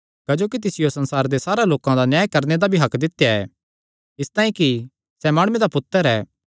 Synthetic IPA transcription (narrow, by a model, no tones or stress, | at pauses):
kɐd͡ʒoːkit̪ɪsɪjosɐ̃nsaːɾd̪esaːɾaloːkãd̪anjaːjkɐɾned̪abʱiɦɐkd̪ɪt̪jaɛ̰ | ɪst̪aːĩki | sɛmaːɽʊmed̪apʊt̪ːəɾɛː